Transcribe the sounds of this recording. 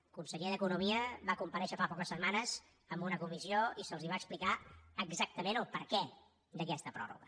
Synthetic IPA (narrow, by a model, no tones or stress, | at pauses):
kunsəʎeðəkunumiəβakumpəɾɛʃəfapɔkəsːəmanəz | əmbunəkumizioisəlˠziβ̞aəksplikaəɡzak̚t̪əmẽnəlˠpəɾkɛ | d̪əkɛst̪əpɾɔ̰rṵɣə